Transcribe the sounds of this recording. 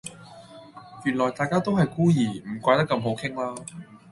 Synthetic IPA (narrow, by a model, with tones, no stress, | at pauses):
jyː˨˩nlɔː˨˩jt̪aː˨jkaː˥t̪o˥wɦɐ˨jkuː˥jiː˨˩m̩˨˩kʷaː˧jt̪ɐ˥kːɐ˧mɦo˨˥wkʰɪ˥ŋlaː˥